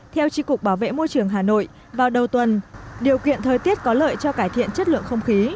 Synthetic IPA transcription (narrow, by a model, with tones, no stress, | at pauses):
t̪ʰɛ˧wt͡ɕi˧kʊ˨˩k͡p̚ɓaː˧˩wvḛ˧˨mo˧jt͡ɕɨ˨˩əŋɦaː˨˩no̰˧˨j | vaː˨˩wɗə˨˩wt̪wə˨˩nɗi˨˩əwkḭ˧˨ənt̪ʰəː˨˩jt̪i˦˥ət̚kɔ˨˦lə̰ː˧˨jt͡ɕɔ˧kaː˧˩jt̪ʰḭ˧˨ənt͡ɕə˦˥t̚lɨ̰˧˨ənxə˧wŋ͡mxi˨˦